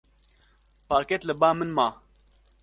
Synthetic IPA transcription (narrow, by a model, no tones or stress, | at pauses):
paːɾket̪lɨbaːmɨnmaː